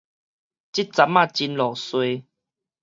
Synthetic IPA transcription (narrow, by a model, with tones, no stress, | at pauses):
t͡ɕi˦t̚t͡sa˧˦mːã˥˧˨t͡ɕi˧nlɔ˨˩swe˧